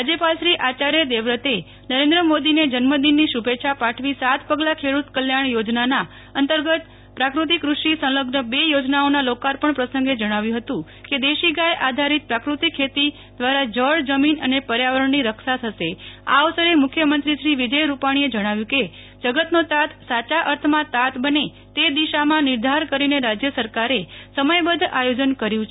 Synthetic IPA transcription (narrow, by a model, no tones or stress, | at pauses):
ad͡ʒepalʃɾiʔat͡ʃaɾjed̪eʋɾət̪e | nəɾẽnd̪ɾəmod̪ined͡ʒənməd̪inːiʃubetːʃʰapaʈʰʋisat̪ʰpəɡlakʰeɽut̪kəljaɳ̃jod͡ʒnana | ənt̪əɾɡət̪ | pɾakɾut̪̬ikɾuʃisə̃ləɡnəbejod͡ʒnaonalokaɾpəɳpɾəsə̃ŋɡed͡ʒəɽ̃aʋjũɦət̪ũ | ked̪eʃiɡajʔad̪ʱaɾit̪̚pɾakɾut̪ikʰːet̪i | d̪ʋaɾad͡ʒəɭd͡ʒəminənepəɾjaʋəɾəɳːiɾəkʃat̪ʰəʃea̰ːʋsəɾemʊkʰjəmənt̪ɾiʃɾiʋid͡ʒəjɾupaɽ̃ied͡ʒəɽ̃aʋjũke | d͡ʒəɡət̪not̪at̪sat͡ʃaʔəɾt̪ʰmãt̪at̪bəne | t̪ed̪iʃamãnɪɾd̪ʱaɾkəɾineɾad͡ʒjəsəɾkaɾesəməjbəd̪ʱʔajod͡ʒənkəɾjũt͡ʃʰ